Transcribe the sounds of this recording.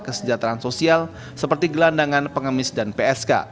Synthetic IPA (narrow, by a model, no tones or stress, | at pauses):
kəsəɲd͡ʒat̪ɾaansosial | səpərt̪iɡəlandaŋanpəŋəmɪsdanpeɛska̰